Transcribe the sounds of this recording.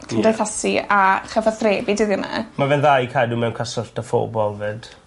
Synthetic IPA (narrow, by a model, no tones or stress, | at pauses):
kʰəndɛθasiaχəvaθreːbidɨðɪna̰mavɛnðajkʰajdumɛwnkʰasʊrtafo̰bɔlˠvɨd̥